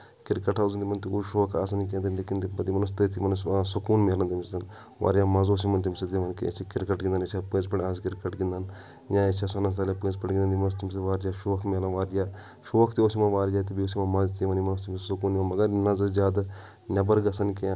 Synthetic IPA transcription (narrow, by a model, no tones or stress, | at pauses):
kɪɾkɐʈʰauznt̪imɐnt̪iuʃoːkʰa̰ːsɐnikẽːnd̪inleːkint̪bɐd̪imɐnɐst̪ɐt̪ʰimɐnsukuːnmiɐlɐnt̪imst̪ɐn | ʋa̰ːɾjaːmɐzoːsimɐnt̪imset̪iʋɐnkiḛt͡ʃʰikɪɾkɐʈɡĩnd̪ɐnet͡ʃʰapẽːzpɐʈãːskiɾkɐʈɡĩnd̪ɐn | jãet͡ʃʰasɐnɐst̪alepẽːzpɐʈɡind̪nt̪imɐnust̪ʰimseʋaːɾd͡ʒaːʃoːkʰmiɐlɐnʋaːɾjaː | ʃoːkʰt̪ioːsimãʋaːɾd͡ʒaːt̪ibioːsimãmɐzt̪ʰiʋɐnimɐnɐst̪ʰimsesukuːnʋɐnmɐɡɐɾnɐzɐd͡ʒʲaːd̪ | nʲɐbɐɾɡɐsɐnke